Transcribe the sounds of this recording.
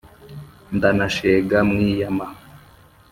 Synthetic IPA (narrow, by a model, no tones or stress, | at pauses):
ndanaʃeɡamŋiːjama